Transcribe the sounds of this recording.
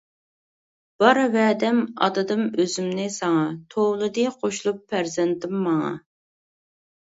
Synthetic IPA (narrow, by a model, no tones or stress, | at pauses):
b̥ɑɾvɛːd̪ɛmɑ̰d̪ɨd̪ɨmøzymnɪsɑŋɑt̪ʰowlˠɨd̪ɨqʰoʃlˠupʰːæɾzɛnt̪ɪmːɑŋɑ̰